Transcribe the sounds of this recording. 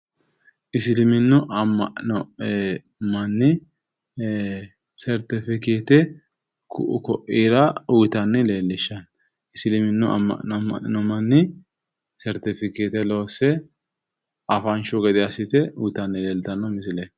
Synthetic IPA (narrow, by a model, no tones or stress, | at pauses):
ʔɪsɪlɪmɪnːʊʔɐmːɐʔnɔ | mɐnːɪ | sɛɾt̪ɪfɪkeːt̪ɛ | kʊ̰ʔʊkɔʔiːɾɐʊjt̪ɐnːɪle̞ːlːɪʃːɐn | ɪsɪlɪmɪnːʊʔɐ̰mɐ̰ʔnmɐ̰ʔnɔmɐnːɪ | sɛɾt̪ɪfɪkeːt̪ɛlo̞ːsɛ | ɐfɐnt͡ʃʊɡɛd̪ɪɐsɪt̪ɛʊt̪ɐnːɪleːlt̪ɐnːɐmɪsɪle